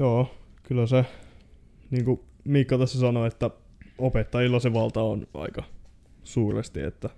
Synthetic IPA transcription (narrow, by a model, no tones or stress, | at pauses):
joːkylːæse | niːŋku | miːkːɑt̪ɑsːɑsɑnoet̪ːæ | opet̪ːɑjilːɑseʋɑlt̪ɑonɑ̰ikɑ | suːrḛst̪ḭḛt̪ːæ